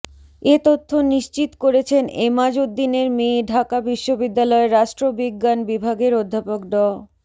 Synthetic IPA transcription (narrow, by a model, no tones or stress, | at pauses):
et̪ot̪ʰːoniʃt͡ɕit̪koɾet͡ɕʰenemad͡ʑod̪ːineɾmeɖʱakabiʃːobid̪ːalɔeɾaʃʈɾobiɡːanbibʱaɡeɾod̪ʱːapok̚ɖɔ